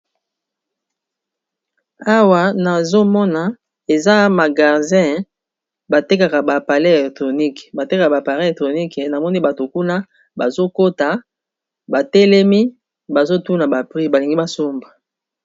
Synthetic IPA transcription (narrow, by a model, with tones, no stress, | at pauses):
a˦wa˦na˨zo˦mɔ˦na˦ | e˨za˦ma˨ɡa˨ʁdɛ̃˦˨ | ba˨te˦ka˨ka˨ba˨pa˨le˦e˨lɛ˨k̚tʁo˨ni˦kba˨te˦ka˨ka˨ba˨pa˨ʁe˦˨tʁo˨ni˦kna˨mɔ˦ni˦ba˨to˨ku˦na˦ | ba˨zo˦ko˦ta˨ | ba˨te˦le˦mi˦ | ba˨zo˦tu˦na˨ba˨pʁi˦ba˨li˨ŋɡi˦ba˨so˦mba˨